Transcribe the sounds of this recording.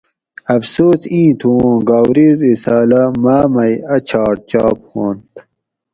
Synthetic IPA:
ɐfsoːsĩːt̪ʰũɡaːwɾiɾisaːlamaːmɐjɐt͡ɕʰaːʈ̚t͡ɕaːphoːnt̪

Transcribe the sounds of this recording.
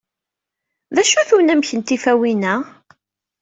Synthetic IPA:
ðæʃuθunæmçənt̪ifæwinæ

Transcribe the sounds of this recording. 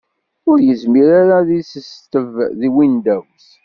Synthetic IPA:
ʊɾjəzmiɾaɾaðisəst̪əvðiwind̪æws

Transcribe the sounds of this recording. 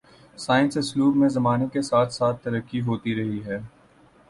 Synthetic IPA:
saːɪ̃nsʊsluːkmẽzɐmaːnekesaːt̪ʰsaːt̪ʰːɐɾəkːiɦoːt̪iɾɐɦiɦɛː

